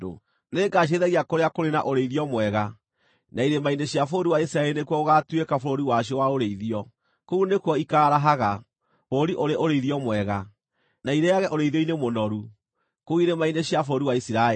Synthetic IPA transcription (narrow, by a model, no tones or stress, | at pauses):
o̰ | neɡaɕ̬eðɛɣiakoɾeakoɾena̰ʔoɾeiðiɔmwɛɣa | naiɾemaineɕjafoɾiwaisiɾaɛɾinekwɔoɣatwekafoɾoɾiwaɕ̬ɔwaoɾeiðiɔ | kounekwɔikaːɾaɦaɣa | oɾiʔoɾeʔoɾeiðiɔmwɛɣa | naiɾeaɣɛʔoɾeiðɔinemonɔɾu | kouiɾemaineɕjafoɾoɾiwaisiɾa